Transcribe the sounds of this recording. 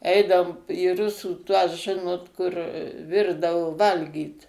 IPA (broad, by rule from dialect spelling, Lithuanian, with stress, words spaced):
ˈɛɪdɐoːm iː ˈrʊsuː ˈtuɔs ˈʒʲɪnoːt kʊr ˈʋʲɪrdɐʋoː ˈʋɐlʲɡʲiːt